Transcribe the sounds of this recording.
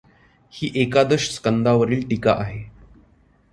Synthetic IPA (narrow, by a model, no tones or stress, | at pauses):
hiːʔekad̪əɕskənd̪aʋəɾiːlʈika̰ʔaɦe